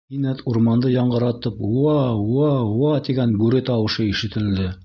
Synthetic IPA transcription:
inæt̪uɾmɑnd̪ɤjɑɴɢɤ̆ɾɑt̪ɤpwɑwɑwɑt̪iɡænbʉɾɘt̪ɑwɤ̆ʃɤiʃɘ̆t̪ɘ̆ld̪ɘ

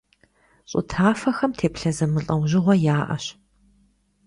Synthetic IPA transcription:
ɕʼʊ̰tʰaːfɐxɐmtʰeːpɬɐzɨmɨɬʼɐwʑɪʁʷɔjaːʔɐ̰ɕ

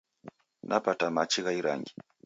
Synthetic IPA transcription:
nʔapatamat͡ʃiɣaiɾa̰ŋɡi

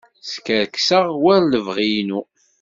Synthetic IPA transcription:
skəɾksəʁwæɾləvʁijnu

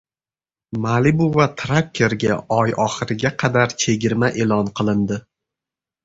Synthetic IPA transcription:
malibʊvat̪ʰɾak̚kʲʰːe̞ɾɡʲaɒjɒχɨɾɪɡʲaqʰɑd̪aɾt͡ʃʰe̞ɡʲɪɾmaʔe̞lɒnqʰɨlˠɪnd̪ɪ

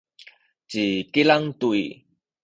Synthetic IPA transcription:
t͡ɕikilaŋtui

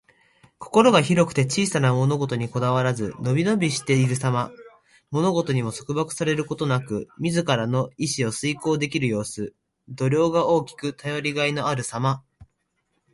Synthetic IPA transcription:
kʰo̞̥ko̞ɾo̞ɡaçiɾo̞kɯ̟̥t̪e̞t͡ɕiːsanamo̞no̞ɡo̞t̪o̞ɲ̟iko̞d̪aβ̞aɾazɨ̰no̞bʲino̞bʲiɕi̥t̪e̞iɾɯ̟sama | mo̞no̞ɡo̞t̪o̞ɲ̟imo̞so̞kɯ̟bakɯ̟̥saɾe̞ɾɯ̟ko̞t̪o̞nakɯ̟mʲizɨkaɾano̞iɕio̞sɨiko̞ːd̪e̞kʲiɾɯ̟jo̞ːsɨ | d̪o̞ɾʲo̞ːɡao̞ːkʲi̥kɯ̟t̪ʰajo̞ɾʲiɡaino̞aɾɯ̟sama

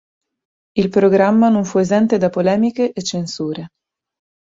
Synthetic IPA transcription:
ilpɾoɡɾamːanoɱfuezɛnt̪ed̪apolɛːmikeʔːt͡ʃːensuːɾe

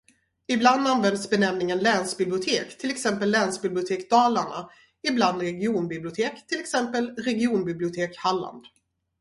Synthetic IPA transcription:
ɪbland̪anvɛnd̪sbɛnɛmnɪŋənlɛːnsbɪblɪʊt̪ʰeːkt̪ʰɪlɛksɛmpəlːɛnsbɪblɪʊt̪ʰeːkd̪ɑːlaɳa̰ | ɪbland̪ɾɛɡɪuːnbɪblɪʊt̪ʰeːkt̪ʰɪlɛksɛmpəlɾɛɡɪuːnbɪblɪʊt̪ʰeːkhalːa̰nd̪

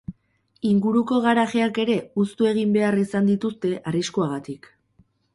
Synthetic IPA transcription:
iŋɡuɾuko̞ɣaɾaʝeake̞ɾe̞ust̪ue̞ɣ̞imbe̞arisand̪it̪ust̪e̞ʔariskuaɣat̪ik

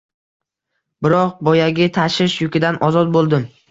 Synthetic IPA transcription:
bɪɾɒqbɒjaɡʲɪt̪ʰaʃɪʃjʊkʲɪd̪anʔɒzɒt̪̚bolˠd̪ɪm

